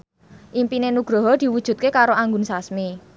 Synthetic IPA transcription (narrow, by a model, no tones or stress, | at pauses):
ʔimpinenuɡ̥ɾɔ̤ɦɔd̪̥i̤wud̥ʒ̥ṳt̪̚kekaɾoʔaŋɡʊnsasmi